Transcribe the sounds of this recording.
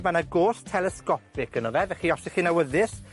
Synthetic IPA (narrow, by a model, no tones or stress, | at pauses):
manaɡoːstʰɛlˠɛskɔpɪkənɔðɛvɛχiɔsɪχinawəðɪs